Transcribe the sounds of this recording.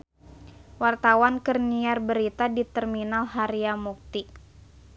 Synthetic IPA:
wart̪awankərniarbəɾit̪adit̪ɛrminalɦaɾiamuk̚t̪i

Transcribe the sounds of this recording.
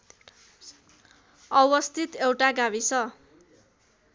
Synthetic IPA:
ʌwʌst̪ʰit̪ewʈaɡawisʰʌ

